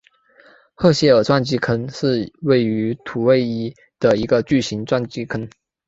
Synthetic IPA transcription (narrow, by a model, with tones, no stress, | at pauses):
xɤ˥˧ɕjɛ˥ə˞˨˩t͡swa˥˧nt͡ɕi˥˩kʰə˥nʂɻ̩˥˧we˥˩ɪy˧˥t̪ʰu˨˩we˥˧ɪi˥˩ | d̪̥ə˨i˧˥ɡə˧t͡ɕy˥˩ɕi˧˥ŋt͡swa˥˧nt͡ɕi˥kʰə˥n